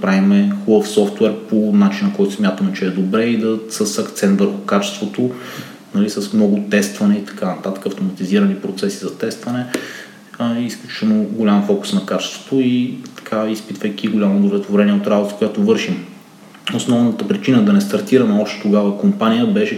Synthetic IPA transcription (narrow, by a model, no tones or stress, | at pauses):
pɾavimɛxˠofsɔft̪wɛɾponat͡ʃinəkɔjt̪ʊsmʲjat̪əmɛt͡ʃɛːd̪obɾɛid̪ɐsəsɐkt̪sɛnt̪vəɾxʊkat͡ʃɛ̥st̪vot̪o | nɐlisəsmnɔɡʊt̪ɛst̪vɐnɛit̪ɐ̥kanɐt̪at̪ə̥kəːft̪omɐt̪iziɾənipɾot̪sɛsizɐt̪ɛst̪vɐnɛ | isklʲut͡ʃi̥t͡ʃɛnoɡʊlʲamfɔkʊ̥snɐkat͡ʃɛ̥st̪vo̥t̪oit̪ɐ̥kʰaispit̪vəjkʲiɡʊlʲamod̪ovlɛt̪voɾɛniɛot̪ɾabot̪əkojat̪ovɤɾʃim | osnɔvnət̪əpɾit͡ʃinəd̪ɐnɛst̪ɐɾt̪iɾənɛɔpʃt̪o̥t̪oɡavəkompanʲijəbɛʃɛ